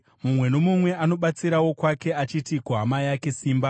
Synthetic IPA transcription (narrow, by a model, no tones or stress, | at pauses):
mumwe̞no̞mumwe̞ano̞ɓat͡siɾawo̞kwake̞at͡ʃitikuamajake̞siːmba